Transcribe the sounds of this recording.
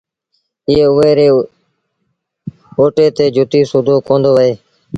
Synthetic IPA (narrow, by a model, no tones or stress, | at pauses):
ɪeːʊeːɾeː | oːʈeːt̪eːd͡ʒʱʊt̪iːsʊd̪ʱoːkõːnd̪oːʋəɦeː